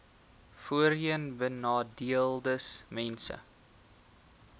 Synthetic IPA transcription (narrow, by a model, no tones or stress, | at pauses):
fuəɾiənbənɑːdiəlˠdəsmɛnsə̰